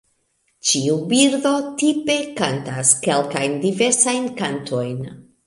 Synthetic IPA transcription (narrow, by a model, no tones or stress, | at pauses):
t͡ʃiubiɾdo̞tipe̞kantaske̞lkajndive̞ɾsajnkantʰo̞jn